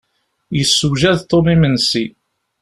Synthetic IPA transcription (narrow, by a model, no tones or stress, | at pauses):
jəsːuʒæðt̪ˤːomimənsi